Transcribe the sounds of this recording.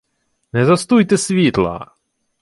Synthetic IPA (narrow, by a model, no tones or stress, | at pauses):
nɛzast̪ujt̪ɛsʋʲiːt̪lˠa̰